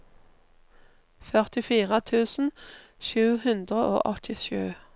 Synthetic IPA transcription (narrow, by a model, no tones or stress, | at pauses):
fœʁt̪ɪfiːʁət̪ʰʉːsn̩ | ʃʉːhʉnd̪ʁəʔo̰ːʔɔt̪ʰɪʃʉː